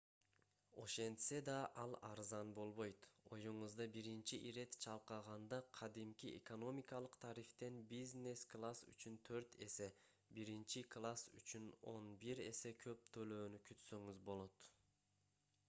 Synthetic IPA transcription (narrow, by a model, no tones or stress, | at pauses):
o̞ʃe̞nt̪se̞d̪ɑʔɑlˠɑɾzɑnbo̞lˠβo̞jt̪o̞juɴuzd̪ɑbiɾint͡ʃiʔiɾe̞t̪t͡ʃʰɑlˠqɑʁɑnd̪ɑqʰɑd̪imkʲiḛko̞no̞mʲikɑlˠɯqt̪ʰɑɾift̪e̞nbizne̞sklˠasy̰t͡ʃynt̪ʰø̞ɾt̪e̞̰se̞ | biɾint͡ʃiklˠasy̰t͡ʃyno̞nbiɾe̞se̞kʰø̞p̚t̪ʰø̞løːnykʰyt̪søŋyzbo̞lˠo̞t̪